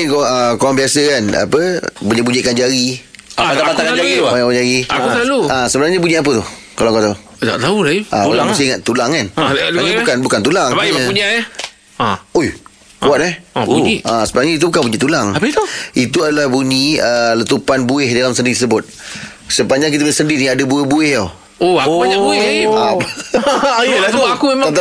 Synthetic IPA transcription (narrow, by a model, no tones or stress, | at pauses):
ikəkowaŋbiasəkana̰pəbuɲibuɲiʔ̚kand͡ʒaɾiapat̪aʔpat̪akaɲd͡ʒaɾiaɲabad͡ʒaɾiaaluasəbənaɲəbuɲiʔap̬ət̪ʊh | kalakot̪au | t̪a̰ʔt̪aulaaaŋsəiŋat̪̚t̪ulaŋkanaɲabukanbukant̪ulaŋaɲauɲa | oj | waʔ̚nɛhuɲiasəbənaɲəit̪ubukanbuɲit̪ulaŋapət̪uit̪uadalahbuɲiələt̪upanbuɪhdalamsəndisəbʊt̪̚ | səpaɲd͡ʒaŋk̬it̪̬əbinsəndiʔniadəbuəhbuɪhjaw | oakoɲabuɪa | jlaakuat̪